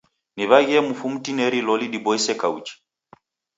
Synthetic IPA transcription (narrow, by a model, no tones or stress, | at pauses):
niβaɣiɛmufum̩tinɛɾilɔliɗibɔisɛkaut͡ʃi̥